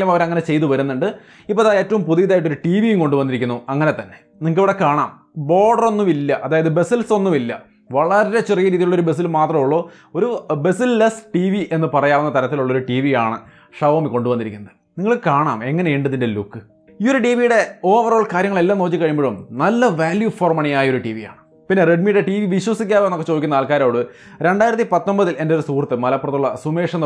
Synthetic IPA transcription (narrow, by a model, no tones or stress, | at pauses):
ilɐmɐʋɐɾɐŋːɐne̞t͡ɕe̞jt̪uʋɐɾunːuɳɖɨ | ipːoɐðaːe̞ːtːɐʋumpuðijɐðaːjiʈːoɾuʈiːʋijumko̞ɳɖubɐnːiɾikʲːunːuɐŋːɐnet̪ɐnːe̞̥ | niŋːɐɭiʋiɽekaːɳaːm | bo̞ːɖɐro̞nːumilːɐʔɐðaːjɐðɨbe̞silso̞nːumilːɐ | ʋɐɭɐɾɐɾet͡ɕerijɐɾiːðijuɭːo̞ɾube̞s̬ilmaːt̪rɐmuɭːoː | o̞ɾube̞silːɐsʈiːʋiʔe̞nːɨpɐrɐjaːʋunːɐt̪ɐɾɐt̪ːiluɭːo̞ɾuʈiːʋijaːɳɨ | ʂɐʋɐmiko̞ɳɖubɐnːiɾikʲːunːɐðɨniŋːɐɭkaːɳa̰ːme̞ŋːɐne̞iɳɖɨðindelukːɨ | io̞ɾuʈiːʋijuɽe̞o̞ːʋɐroːɭkaːɾjɐŋːɐɭe̞lːaːmnoːt͡ɕːikːɐɻimbeɻɽumnɐlːɐʋaːljufoːrmɐɳɐjaːjɐo̞ɾuʈiːʋija̰ːɳɨ | pinːere̞ɖmiɽeʈiːʋiʋiɕwɐsikʲːaːʋenːokːet͡ɕo̞ːd̪ikʲːunːɐaːlkaːɾoːɽɨ | ɾe̞ɳɖaːjiɾɐt̪ːipɐt̪ːo̞mbɐðile̞ndeo̞ɾusuːrt̪ːɨmɐlɐpːurɐt̪ːuɭːɐsumeːʂɐnː